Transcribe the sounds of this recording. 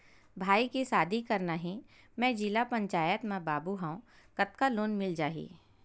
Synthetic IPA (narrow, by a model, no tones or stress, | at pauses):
bʱaːikisaːd̪ʱikɐɾnaɦĩ | mɛ̃ːd͡ʒilapə̃ɲt͡ʃaːjət̪mẽbaːbuɦãõ | kɐt̪kaloːnmɪld͡ʒaːɦḭː